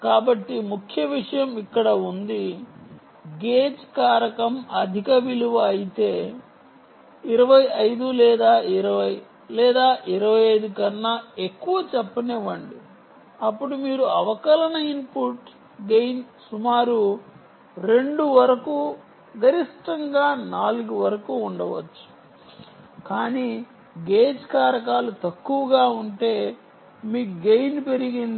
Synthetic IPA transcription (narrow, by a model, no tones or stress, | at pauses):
kaːbɐʈːimukʰjɐʋiʂɐjɐmikːɐɽɐund̪i | ɡeːd͡ʒkaːɾɐkɐmɐd̪ʱikɐʋiluʋɐːjit̪e̞ː | iɾɐʋɐjɐjd̪ulɛːd̪aːiɾɐʋɐj | lɛːd̪aːʔiɾɐʋɐjɐjd̪ukɐnːɐekːuʋɐt͡ʃɛpːɐnɛʋɐɳɖi | ɐpːuɽumiːɾuɐʋɐkɐlɐnɐinpuʈ | ɡejn | sumaːɾu | ɾe̞ɳɖuʋɐɾɐkuː | ɡɐɾiʂʈɐŋɡaːnaːluɡuʋɐɾɐkuːɳɖɐʋɐ̰t͡ʃːu̥ | kaːniː | ɡeːd͡ʒkaːɾɐk̬aːlut̪ɐkːuʋɐɡaːuɳʈe̞ː | miːkuɡejnpe̞ɾiɡind̪